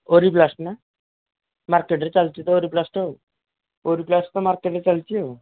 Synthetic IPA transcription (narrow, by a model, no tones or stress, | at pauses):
oɾiplasʈna | maɾkeʈɾet͡ɕalt͡ɕit̪ɔoɾiplasʈo | oɾiplasʈt̪ɔmaɾkeʈɾet͡ɕalt͡ʃijo